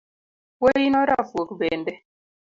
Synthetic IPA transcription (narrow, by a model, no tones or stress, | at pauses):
wojinɔɾafokbɛndɛ